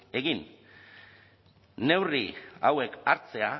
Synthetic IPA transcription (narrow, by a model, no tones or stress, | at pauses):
e̞ɣin | ne̞wriawe̞kaɾt͡se̞a